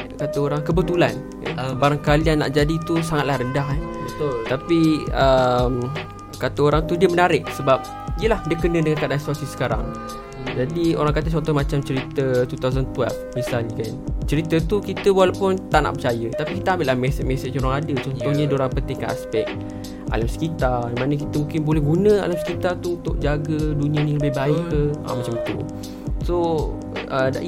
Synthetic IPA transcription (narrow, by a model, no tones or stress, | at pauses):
kat̪əoɾaŋkəbət̪ula̰n̰ | baɾaŋkalianːa̰ʔd͡ʒadit̪usaŋat̪̚lahɾəndaɦɛbət̪ʊlt̪apiəm | kat̪əoɾaŋt̪udiəmənaɾɪʔ̚səbap̚ | iəlahdiəkənə̃dəŋankadansuasisə̥kaɾa̰ŋ | d͡ʒadio̰ɾaŋkat̪ət͡ʃɔnt̪ɔhmat͡ʃamt͡ʃəɾit̪ət̪ut̪awzənt̪ua̰lfmisalɲəkant͡ʃəɾit̪ət̪ukit̪əwalapʊnt̪aʔna̰ʔpət͡ʃajət̪apikit̪əambɪʔlahmɛsəmɛsət͡ʃoɾaŋadət͡ʃɔnt̪ɔhɲadoɾaŋpənt̪iŋkaʔa̰spɛk̚ | ʔa̰lamsə̥kit̪amanək̬it̪əmũŋkɪnbolɛhɡunə̃a̰lamsə̥kit̪art̪uunt̪ʊʔ̚d͡ʒaɡədunĩəniləbɪhbaɪʔəə̰mat͡ʃamət̪ṵ | so | əda̰ʔ